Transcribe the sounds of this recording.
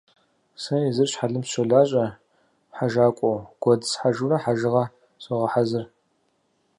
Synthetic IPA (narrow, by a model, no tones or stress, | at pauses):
sɐizɨrɕħaɮɨmɕɔɮaːɕʼɐ | ħaʒaːkʷʼɔwɡ̥ʷɔdsħaʒurɐħaʒɨʁɐ | ɕʼɔʁɐħazɨr